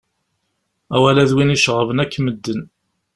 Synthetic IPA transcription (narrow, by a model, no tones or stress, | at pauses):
æwælæðwiniʃʁəvənækːməd̪ːən